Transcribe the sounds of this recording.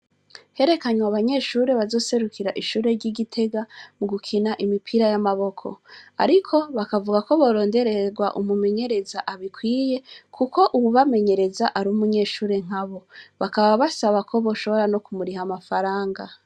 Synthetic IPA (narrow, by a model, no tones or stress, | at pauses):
he̞ɾe̞kaɲwaβaɲe̞ːʃuːɾe̞βazo̞ːse̞ɾukʰiɾaʔiʃuːɾe̞ɾɟiɟitʰe̞ɡamuɡukʰinaʔimipʰiɾajamaβo̞kʰo̞̰a̰ɾikʰo̞βakavuɡako̞βo̞ɾo̞ːnde̞ɾe̞ɡwa̰ʔumume̞ɲe̞ɾe̞zaʔaβikwiːje̞kʰuko̞ʔuβuβame̞ɲe̞ɾe̞zaʔaɾumuɲe̞ːʃuːɾe̞ŋ̥aβo̞βakaβaβasaβakʰo̞βo̞ːʃo̞βo̞ɾano̞kumuɾihamafaɾaːŋɡa